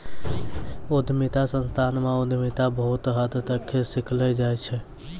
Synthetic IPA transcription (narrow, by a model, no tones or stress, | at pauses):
ud̪ʱmit̪asə̃nst̪ʰanmeud̪ʱmit̪abəɦut̪ɦəd̪t̪əkʰːesiklɛd͡ʒajt͡ʃʰɛ